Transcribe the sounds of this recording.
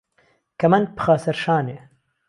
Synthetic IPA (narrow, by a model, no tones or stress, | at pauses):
kɐmɐnpɨ̥xaːsɐɾʃaːne